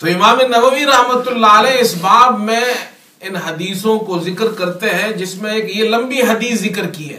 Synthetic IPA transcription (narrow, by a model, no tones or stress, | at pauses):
t̪oːɪmaːmenɐʋəʋiɾɐɦmət̪ʊlːaəlɛːɪsbaːbmẽ | ɪnɦɐd̪iːsõkozɪkəɾkɐɾt̪eɦɛ̃d͡ʒɪsmẽeːkjelɐ̃mbiɦɐd̪iːszɪkəɾkiɦɛ̰ː